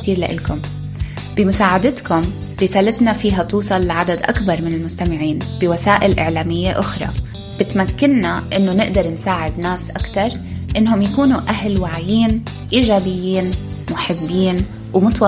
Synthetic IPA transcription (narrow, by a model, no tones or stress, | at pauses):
t̪iːɾla̰ʔɪ̰lkʊm | b̥ɪmʊsaːʕad̪ɪt̪kʊm | ɾɪsaːlat̪nafiːɦat̪uːsˤɑlːaʕad̪ad̪ʔa̰kbɑɾˤmɪnɪlmʊst̪amɪʕiːnb̥ɪwasaːʔɪlʔɪ̰ʕlaːmɪjːeʔʊxɾˤɑ̰ | b̥ɪt̪makːɪnːaʔɪnːonɪʔd̪ɑɾˤnsaːʕɪd̪naːsʔakt̪ɑɾˤ | ʔɪnːhʊmjakuːnuʔaɦlwaʕajiːn | ʔiːʒaːbɪjːiːnmʊħɪbːiːn | wmʊt̪wɑ